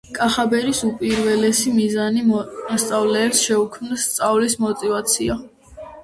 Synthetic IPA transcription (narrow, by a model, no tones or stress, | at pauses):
kʼaχabɛɾisupʼiɾvɛlɛsimizaniɔst̪sʼavlɛːpsʃɛukʰmnɔst̪sʼavlismɔt̪ʼivat̪sʰia